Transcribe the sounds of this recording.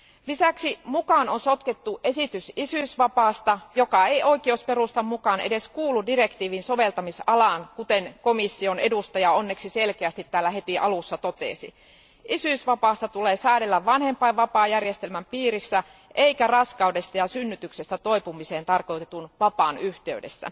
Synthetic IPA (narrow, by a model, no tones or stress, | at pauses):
lisæksimukɑːnonso̞t̪ket̪ːuʔe̞sit̪ysisyːˑsʋɑpɑːst̪ɑjokɑejʔo̞ik̟iospe̞rust̪ɑmmukɑːnḛde̞skuːlːuddire̞kt̪iːʋinso̞ʋe̞lt̪ɑmisɑlɑːŋkut̪enkomisːione̞dust̪ɑjɑo̞nːeksiselkeæst̪it̪ːæːlːæɦet̪iʔɑlusːɑt̪ot̪ḛˑsḭ | ʔisyisʋɑpɑːst̪ɑt̪uleːsæːɾelːæʋʋɑnhempɑiʋʋɑpɑːjærjest̪elmæmpiːrisːæ | ʔeikærɑskɑudest̪ɑjɑsynːyt̪yksest̪æt̪oipumiseːnt̪ɑrkoit̪et̪unʋɑpɑːnyht̪eydḛsːæ̰